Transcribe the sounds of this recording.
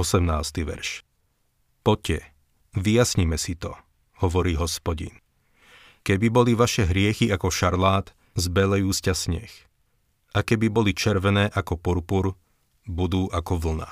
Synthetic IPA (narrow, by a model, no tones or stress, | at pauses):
ɔsɛmnaːst̪iʋɛ̰ɾʃ | pɔcɛ | ʋijasɲimɛsit̪ɔ | hɔʋɔɾiːɦɔspɔɟḭn | kɛbibɔliʋaʃɛɦɾɪɛxiakɔʃaɾlaːt̪ | zbɛlɛjuːscasɲɛ̰x | ʔakɛbibɔlit͡ʃɛɾʋɛnɛːʔakɔpuɾpuɾ | bud̪uːʔakɔʋl̩na̰